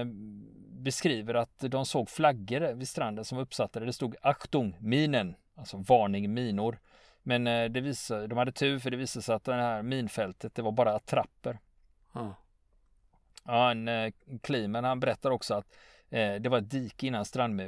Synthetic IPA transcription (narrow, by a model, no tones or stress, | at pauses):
bɛskɾiːvəɾat̪d̪ɔmsoːɡflaɡːəɾvɪst̪ɾand̪ənsɔmɵpːsat̪ʰːaɾəd̪ɛst̪uːɡakt̪ʊŋmiːnən | alsɔvɑːɳɪŋmiːnʊɾ | mɛnd̪ɛviːsad̪ɔmhad̪ːət̪ʰʉ̟ːɾfœɖɛviːsad̪əsɛɪjat̪̚d̪ɛhæːɾmiːnfɛlt̪ʰət̪̚d̪ɛvaɾbɑːɾaːt̪ʰɾapːəɾ | ɔhankʰliːmənhanbɛɾɛt̪ːad̪əɔksɔat̪ | d̪ɛvaɾɛt̪̚d̪iːkɪnːanst̪ɾand̪mʉ